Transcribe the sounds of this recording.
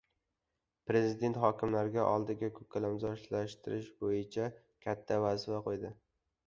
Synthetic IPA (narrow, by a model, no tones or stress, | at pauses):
pɾe̞zɪd̪e̞nt̪χɒkʲɪmlaɾɡʲaʔɒ̰lˠd̪ɪɡʲakʰɵkʲʰːalamzɒʃlaʃt̪ʰɪɾɪʃbojɪt͡ʃʰa | kʲʰat̪ʰːavazɪfaqʰojd̪ɪ